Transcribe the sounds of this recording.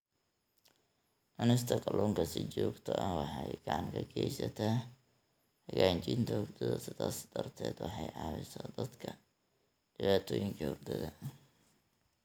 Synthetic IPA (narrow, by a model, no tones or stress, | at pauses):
ʔɐnɪst̪ʰɐqʼɐlɔːŋkʰɐsɪt͡ʃɔːɡt̪ʰɐʔɐwɑħɑjɡɑʕɑŋkʰɐɡɛjsɐt̪ʰa | hɐɣaːɲt͡ʃɪnt̪ʰɐhɔɡd̪ɐðɐsɪd̪aːsɐ̥d̪̥ɐrt̪ʰɛːd̪wɑħɑjʕɑːβɪ̰sɔːd̪ɐd̪kʰɐ | ɖ̥ɪβaːt̪ʰɔːjɪŋkʰɐhɔɡ̚d̪ɐðɐ